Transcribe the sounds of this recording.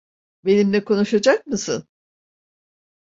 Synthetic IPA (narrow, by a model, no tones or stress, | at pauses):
be̞nimlʲɛkʰo̞nuʃad͡ʒak̚mɯsɯ̰n